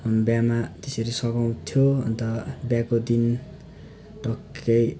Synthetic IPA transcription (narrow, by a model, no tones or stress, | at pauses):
bjamat̪esʌɾisʌkaw̃t̪ʰjoʌnt̪ʌbjakod̪in | ʈʌkʰːʌj